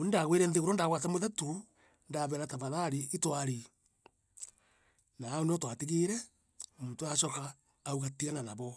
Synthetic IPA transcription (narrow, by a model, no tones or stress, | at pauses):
onindaɣweɾɛnðeɣoɾondaɣwatamoðatu | ndaβɛɾataβaðaɾietwaɾi | naːoneɔtwatiɣeɾɛ | muːtoaʃɔkaː | uɣatiananaβɔ